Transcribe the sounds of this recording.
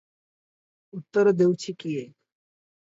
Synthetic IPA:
ut̪ːəɾd̪ewt͡ɕikije

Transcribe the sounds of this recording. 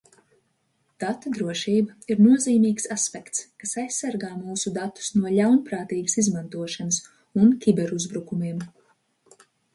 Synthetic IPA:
d̪̥at̪ɔd̪ɾuɔʃiːbaiɾnuɔziːmʲiːksaspʲɛkt̪skasajsːaɾɡaːmuːsud̪at̪ːu̥snuɔʎawnpɾaːt̪iːɡasizmant̪uɔʃanɐs | unkʲibɛɾuzbɾukumiːm

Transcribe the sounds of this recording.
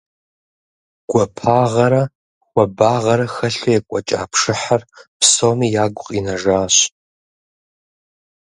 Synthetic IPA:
ɡ̥ʷɐpʰaːʁɐɾɐ | xʷɐbaːʁɐɾɐxɐɬɐjɛkʷʼɐt͡ʃʼa̰ːpʰʂɨħarpʰsomijaːɡʷʊqʼinɐʐaːɕ

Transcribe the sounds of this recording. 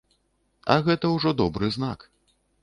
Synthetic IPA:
ɐ̰ɣɛt̪ɐwʐɔd̪ɔbɾɨznak

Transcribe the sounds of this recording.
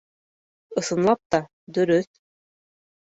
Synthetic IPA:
ɤ̆sɤ̆nlˠɑp̚t̪ɑ | d̪ɵ̆ɾɵθ

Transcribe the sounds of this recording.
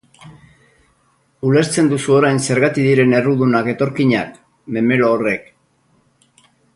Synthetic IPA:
ule̞ɾt͡se̞nd̪usuo̞ɾajnse̞ɾɣat̪iðiɾe̞ne̞ruðunake̞t̪o̞ɾkiɲak | me̞me̞loːre̞k

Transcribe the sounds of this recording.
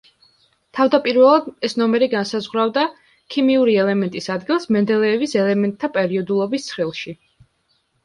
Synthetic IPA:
t̪ʰavd̪apʼiɾvɛlˠad̪ɛsnɔmɛɾiɡansazʁwɾavd̪a | kʰimiuɾiɛlɛmɛnt̪ʼisad̪ɡilˠsmɛnd̪ɛlɛːvisɛlɛmɛnt̪ʰːapʼɛɾiɔd̪ulˠɔbist̪sʰχilˠʃi

